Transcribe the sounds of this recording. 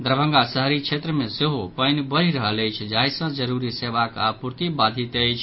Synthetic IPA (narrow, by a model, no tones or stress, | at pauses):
d̪ɾəbʱə̃ŋɡasəɦɾit͡ʃʰet̪ɾəmeseɦopəjnbəɾiɾəɦələjt͡ʃʰd͡ʒajsə̃d͡ʒəɾuɾiseʋaka̰puɾt̪ibad̪ʱit̪əjt͡ʃʰ